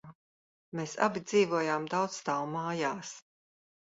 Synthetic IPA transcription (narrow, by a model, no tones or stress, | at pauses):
meːsa̰bid̪ziːvuɔjaːmd̪awt̪sst̪awmaːjaːs